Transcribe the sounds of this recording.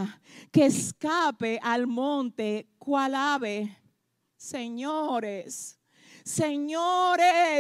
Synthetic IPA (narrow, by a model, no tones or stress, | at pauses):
keːskapeʔalmõnt̪ekwalaβe | seɲoɾesː | eɲoɾe